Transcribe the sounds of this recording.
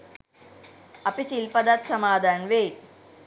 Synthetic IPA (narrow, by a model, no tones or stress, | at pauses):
ɐpisilpɐd̪at̪sɐmaːd̪ʱaːɳʋeːt